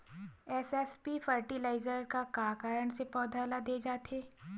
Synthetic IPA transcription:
ɛsɛspifəɾʈilaːɪzəɾkakaːkaːɾəɳ̃sepɔːd̪ʱaːlad̪eːd͡ʒaːt̪eː

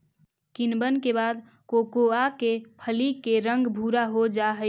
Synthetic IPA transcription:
kinbənkebaːd̪ | koːkoakepʰəlikːeɾə̃ŋɡbʱuːɾaɦod͡ʒaɦə

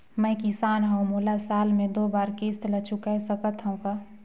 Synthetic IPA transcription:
mə̃ɪkɪsaːnɦmoːlasaːlmẽd̪oːbaːɾkist̪lət͡ʃʰʊkaesəkət̪ɦəũkaː

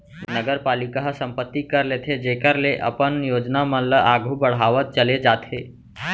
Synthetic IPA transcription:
nəɡəɾpaːlɪkaɦsə̃mpət̪ːikɐɾleːt̪ʰed͡ʒeːkəɾleʔɐ̰pənjoːd͡ʒnamə̃ləaːɡʱubəɽ̤aːʋət̪̚t͡ʃəled͡ʒaːt̪ʰeː

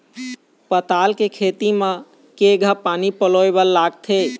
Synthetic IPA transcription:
pət̪alkekʰet̪imẽ | keɡʱəpanipəlojbəlːaɡt̪ʰe

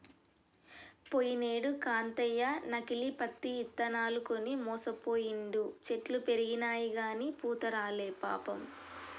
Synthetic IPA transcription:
pojineːɽukaːnt̪ɐjːanɐkilipɐt̪ːiːt̪ːɐnaːlukonimɔːsɐpoːjiɳɖ̪ut͡ʃe̞ʈlupe̞ɾiɡinaːjiɡaːnipuːt̪ɐɾaːleːpa̰ːpɐm

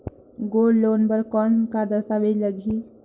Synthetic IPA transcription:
ɡolːoːnbəɾkɔnkad̪əst̪aʋed͡ʒləɡʱi

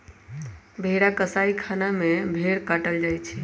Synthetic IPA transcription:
bʱeɾakəsaikʰanamẽbʱeɽkaʈəld͡ʒajt͡ʃʰɛ

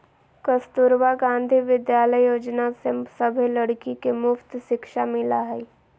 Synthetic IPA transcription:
kəst̪ʊɾʋaɡãːnd̪ʱiʋɪd̪jaːləjjoːd͡ʒnasɪsəbʱeləɽkikemʊft̪ʃɪkʃamɪlaɦɛ

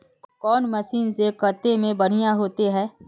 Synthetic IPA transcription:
kɔːnmɐsiːnzekət̪emẽbɐɽ̤ijaɦoːt̪eɦɛː

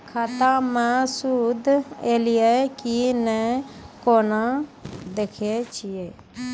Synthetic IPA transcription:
kʰaːt̪ãːmɛ̃ːsuːd̪eːlɪjɛːkinɛ̃ːkoːnãːd̪eːkʰeːt͡ʃɪjeː

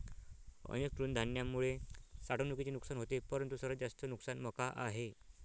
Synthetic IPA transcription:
ə̰nek̚t̪ɾuːnd̪ʱanjamːuɭesaɽ̤onukit͡ɕenuksanɦot̪epəɾənt̪usəɾəd͡zast̪ənuksanməkaʔa̰ɦe

